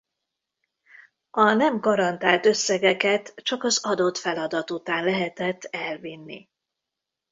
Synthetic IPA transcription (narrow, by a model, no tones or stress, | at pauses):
ɒnɛmɡɒɾɒnt̪aːlt̪ø̞sːɛɡɛkɛt̪t͡ʃɒkɒzɒd̪o̞t̪fɛlɒd̪ɒt̪ut̪aːnlɛɦɛt̪ɛt̪ːɛlvinːḭ